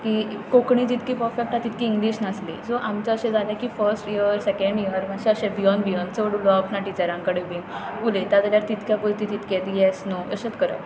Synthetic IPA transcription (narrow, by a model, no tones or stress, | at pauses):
kiːkokɳĩd͡ʑit̪kiːpəfɛk̚ʈat̪it̪kiːŋɡliːɕnaslḭsoʔamt͡ɕaəɕẽd͡zaljakifəɾsʈiəɾsɛkeɳɖiəɾmaɕɛ̃əɕɛbijɔnd̪bijɔnt͡səʋəɽulɔəpnaʈit͡ɕaɾãŋkəɽebiŋulet̪at̪əljaɾt̪it̪kjapəjt̪it̪it̪kɛ̃t̪jɛsnoə̰ɕat̪kəɾa̰j